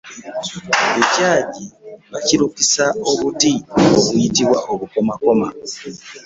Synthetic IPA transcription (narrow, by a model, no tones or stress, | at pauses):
βecaːɟiβaciɾukisaoβutioβuitiβwaʔoβukomakoma̰